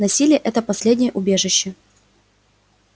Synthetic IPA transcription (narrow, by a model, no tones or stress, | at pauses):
nɐsʲilʲɪjəʔɛt̪əpɐsʲlʲedʲnʲɪjəʔʊbʲe̞ʐɨɕːɪ